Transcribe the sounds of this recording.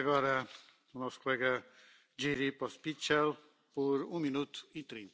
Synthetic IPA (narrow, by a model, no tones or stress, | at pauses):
əɡɔɾə | unɔst̪ɾkulɛɡa | d͡ʒiɾipɔspit͡ʃɛl | puɾuminut̪it̪ɾint̪